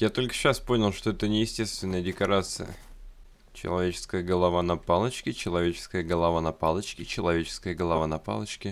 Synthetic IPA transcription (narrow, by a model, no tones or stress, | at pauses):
jat̪o̞lʲkə̥ɕaspo̞nʲɪlˠʂt̪oɛt̪ənʲɪjɪsʲtʲe̞st̪vʲɪnːəjədʲɪkɐɾat̪sɨ̰jə̰ | t͡ɕɪ̰lˠɐvʲet͡ɕɪ̥skəjəɡəlˠɐvanɐpalˠət͡ɕkʲɪt͡ɕɪlˠɐvʲet͡ɕɪ̥skəjəɡəlˠɐvanɐpalˠət͡ɕkʲɪt͡ɕɪlˠɐvʲet͡ɕɪ̥skəjəɡəlˠɐvanɐpa̰lˠət͡ɕkʲɪ